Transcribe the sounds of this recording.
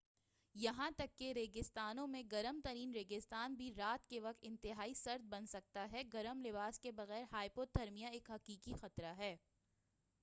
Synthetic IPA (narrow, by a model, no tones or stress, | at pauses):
jɐɦãt̪ɐkːeɾeːɡɪst̪aːnõmẽɡɐɾəmt̪ɐɾiːnɾeːɡɪst̪aːnbʱiɾaːt̪keʋɐk̚t̪ɪ̃nt̪ɪɦaːisɐɾd̪̚bɐnsɐk̚t̪aɦɛɡɐɾəmlɪʋaːskebɐɣɛːɾɦaːipoːd̪̚d̪ʱɐɾmijaeːkɦɐqiːkixɐt̪ɾaɦɛː